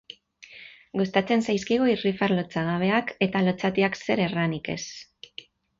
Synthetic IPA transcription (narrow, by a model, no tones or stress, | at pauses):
ɡust̪at͡se̞nsajskiɣoirifaɾlot͡saɣ̞aβ̞e̞ake̞t̪alo̞t͡sat̪iakse̞ɾe̞ranike̞̰s